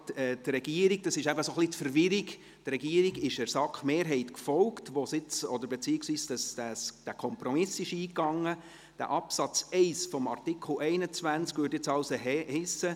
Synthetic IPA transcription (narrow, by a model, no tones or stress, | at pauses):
ɛːd̪rɛɡ̥iːəɾiɡ̚d̥ɑsɪʃæbəsoχlit̪fəɾvɪɾɪɡ | t̪ɾɛɡiəɾiɡɪʃæɾsɑkχmeːɾɦɛɪtkfɔlktʋosɪt͡sɔd̪əɾbet͡siːɪksʋiːsd̥ɑsd̥æsd̥ækʰɔmpɾɔmɪsɪʃiːkːɑŋːə | d̥æ̰ʔɑpsɑt͡sɛɪsfɔmɑ̰rtɪkʰl̩ʔɛɪnət͡sʋænt͡skʋyːtjɪt͡sɑʊsəhɪsə